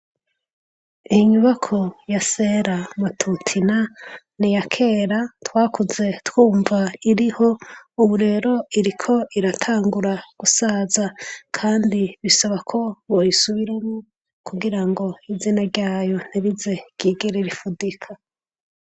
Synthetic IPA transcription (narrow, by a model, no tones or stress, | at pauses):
iɲuβakʰo̞jase̞ːɾamatʰutʰina | nijakʰe̞ːɾatwaːkuze̞twuːɱvaiɾiho̞uβuɾe̞ɾo̞iɾikʰo̞ʔiɾatʰaːŋɡuɾaɡ̥usazakʰaːndiβisaβakʰo̞βojisuβiɾemŋu | kʰuɡiɾaŋɡo̞izinaɾɟaːjo̞n̥iɾize̞ɡ̥iːɡeɾeɾifudikʰa